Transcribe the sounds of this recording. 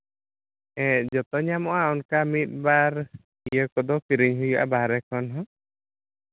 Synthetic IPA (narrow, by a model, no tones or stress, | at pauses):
ɛ̃d͡ʒɔt̪ɔɲamɔʔaɔnkamit̪̚ˀbaɾ | ijəkɔd̪ɔkiɾiɲɦujɔʔa̰baɦɾɛkʰɔnɦɔ̃